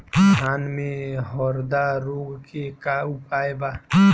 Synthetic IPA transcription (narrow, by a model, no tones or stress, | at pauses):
aːnmẽɦɔɾd̪aɾoɡkʰekaupaːeba